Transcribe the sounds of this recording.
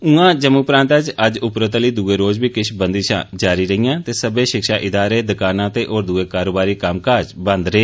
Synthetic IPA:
ũãːd͡ʒəmuːpɾãːnt̪əd͡ʒəd͡ʒʊpɾət̪əliːd̪ueːɾoːd͡ʒbiːkɪʃbənd̪iːʃã̰ːd͡ʒaːɾiːɾəɦijãːt̪eːsəbẽːʃɪkʃaːʔɪd̪aːɾeːd̪əkaːnãːt̪eːʔoːɾd̪uːeːkaːɾoːbaːɾiːkəmkaːd͡ʒbə̃nd̪ɾeː

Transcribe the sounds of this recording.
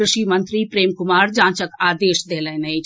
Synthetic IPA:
ɾɪʃimə̃nt̪ɾipɾeːmkʊmaːɾd͡ʒãːt͡ʃəkaːd̪eːʃd̪eːlɛːnɐit͡ʃ

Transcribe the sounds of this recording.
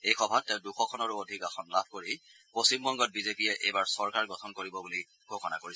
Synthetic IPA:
ejxɔbʱatːɛ̃ʊ̃duxɔkʰɔnɔɹuodʱikaxɔnlabʱkoɹipost͡ʃimbʱɔŋɡɔt̚bizepijɛʔḛjbaɹsɔɹkaɹɡɔtʰɔnkoɹibɔbuli | ɡ̥ʱokɔna̰koɹis

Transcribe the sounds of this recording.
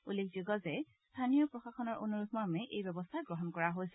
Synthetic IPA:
ulːekʰzoɡɔzɛ | st̪ʰanijɔpɹɔxaxɔnɔɹʔonuɹut̚maɹmɛʔejbɛbɔst̪ʰaɡɹɔɦɔnkɔɹaɦojsɛ

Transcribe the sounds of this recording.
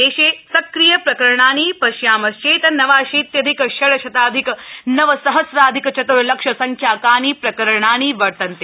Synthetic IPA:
eːʃeːsɐkɾijɐpɾɐkɐɾɳ̃aːniːpɐʃjaːmɐst͡ʃeːt̪ɐnɐʋaːʃeːt̪jɐd̪ʱikʃɐɭɐʃʰɐt̪aːd̪ʱiknɐʋɐsɐɦɐsɾaːd̪ʱikt͡ʃɐt̪uɾlɐkʂɐsɐŋkʰjaːkaːniːpɾɐkɐɾɳaːniːʋɐɾt̪ɐnt̪e

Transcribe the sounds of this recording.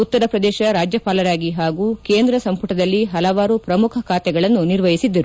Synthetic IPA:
ut̪ːɐɾɐpɾɐd̪ɛːʃɐɾaːd͡ʒjɐpaːlɐɾaːɡiɦaːɡuːkeːnd̪ɾɐsɐmpuʈɐd̪ɐlːiɦɐlɐʋaːɾupɾɐmukʰɐkʰaːt̪ɛɡɐɭɐnːuniɾʋɐjisid̪ːɐɾu

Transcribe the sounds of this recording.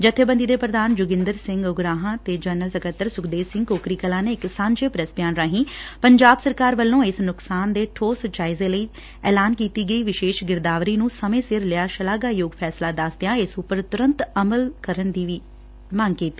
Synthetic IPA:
d͡ʒət̪ʰːeːbə̃nd̪iːd̪eːpɾəd̪aːnd͡ʒʊɡɪ̃nd̪əɾsɪ̃ŋɡʊɡɾaːɦãːt̪eːd͡ʒənəlsəkət̪ːəɾsʊkʰd̪eːʋsɪ̃ŋɡkoːkɾiːkəlãːneːɪksãːɲd͡ʒeːpɾəsbjaːnɾaːɦĩːpəɲd͡ʒaːbsəɾkaːɾʋəlːõːɪsnʊksaːnd̪eːʈʰoːsət͡ʃaːizeːləiː | ɛːlaːnkiːt̪iːɡəiːʋɪʃeːʃɡɪɾd̪aːʋɾiːnũːsəmẽːsɪɾlɪaːʃəlaːɡaːjoːɡpʰɛːslaːd̪əsd̪ejãːɪsʊpəɾt̪ʊɾə̃nt̪əməlkəɾənd̪iːʋiː | maːŋɡkiːt̪ːiː

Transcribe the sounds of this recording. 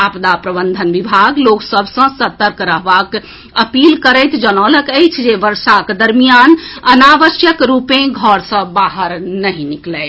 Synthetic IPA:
apd̪apɾəbənd̪ʱənʋibʱaɡloksəbʱsə̃sət̪əɾkɾəɦbak | əpilkəɾəjt̪d͡ʒənələkəjt͡ʃʰd͡ʒeʋəɾsakd̪əɾmijanənaʋəsjəkɾupẽɡʱɔɾsə̃baɦəɾnəɦĩniklɛ

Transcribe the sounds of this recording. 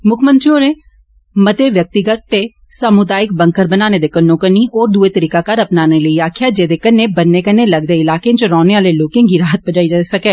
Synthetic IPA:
mʊkʰmənt͡ʃoːɾeː | mət̪eːʋjək̚t̪ɪɡət̪ːeː | səmʊd̪aːɪk̚bə̃ŋkəɾbənaːneːd̪eːkənːõːkəniːʔɔːɾd̪uːeːt̪əɾiːkaːkəɾəpnaːneːləiːaːkʰɪjaːd͡ʒeːd̪eːkənːeːbənːeːkəneːləɡd̪eːɪlaːkẽːt͡ʃɾɔːneːaːleːloːkẽːŋɡiːɾaːɦət̪̚bəd͡ʒaːiːd͡ʒaːesəkɛː

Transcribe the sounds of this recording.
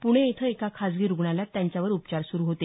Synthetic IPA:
puɽ̃eet̪ʰəekakʰad͡zɡiːɾuɡɳalat̪jaɲt͡ɕjaʋəɾupt͡ɕaɾsuɾuːɦot̪e

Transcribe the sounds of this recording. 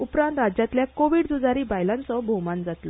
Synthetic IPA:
upɾant̪ɾad͡ʑjat̪ljakoʋiɽd̪ud͡zaɾiːbajlãnt͡sɔbʱomand͡zat̪lɔ

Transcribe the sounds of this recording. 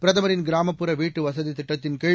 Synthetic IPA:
pɪɾɐðɐmɐɾɪnɡɪɾaːmɐpːɯɾɐʋiːʈːɯʋɐsɐðit̪ɪʈːɐt̪ːɪnkeː

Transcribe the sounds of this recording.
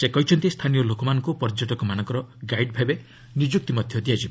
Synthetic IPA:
sekɔɦit͡ʃʰɔnt̪ist̪ʰanijɔlokɔmanɔŋkupɔɾd͡ʒɔʈɔkɔmanɔ̃ŋkɔɾɔɡajɖ̚bʱabe | nid͡ʒuk̚t̪imɔd̪ʱjɔd̪iad͡ʒib

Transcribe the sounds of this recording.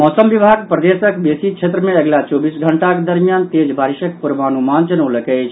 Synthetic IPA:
mɔsəmbibʱaɡpɾəd̪esəkbesit͡ʃʰet̪ɾəmeəɡlat͡ʃobisɡʱəɳʈaked̪əɾmijant̪ed͡ʒbʱaɾisəkpuɾbanumand͡ʒənəwləkɛt͡ʃʰ

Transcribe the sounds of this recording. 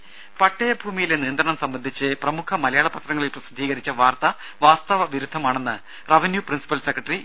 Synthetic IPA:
pɐʈːɐjɐbʱuːmijilenijɐnd̪ɾrɐɳɐmsɐmbɐnd̪ʱit͡ɕːɨprɐmukʰɐmɐlɐjaːɭɐpːɐt̪rɐŋːɐɭilprɐsid̪ʱːiːɣɐɾit͡ɕːɐʋaːrt̪ɐ | ʋaːst̪ɐʋɐʋiɾud̪ʱːɐmaːɳe̞nːɨ | rɐʋɐnjuprinsi̥pɐlsekːrɐʈːri

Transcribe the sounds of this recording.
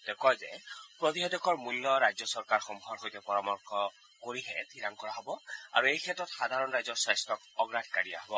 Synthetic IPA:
d̥ɛkɔzɛ̰pɹɔt̪iɦɔdɔkʰɔɹmulːɔɹajzɔsɔɹkaɹxɔmɡʰʱɔɹxojtɛpɔɹɔmɔɹkʰɔ | koɹiɦɛ̰t̪ʰiɾaŋkɔɹaɦɔbɔa̰ɹuejkʰɛtɹɔtxad̪ʱaɹɔnɹajzɔɹswajstɔkɔɡɹad̚ʰʱkaɹia̰ɦɔbɔ

